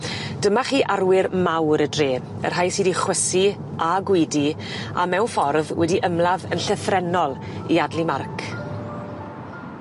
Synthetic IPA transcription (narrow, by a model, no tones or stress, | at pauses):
d̥əmaχiːʔarwɪrmawɾədreːn | ə̰r̥ɦajsiːdiχwəsi | ʔaɡwɪdi | a̰mɛwnfɔrðwɛdiʔəmlavənɬəθrɛnɔlˠ | iadlˠimarkʰ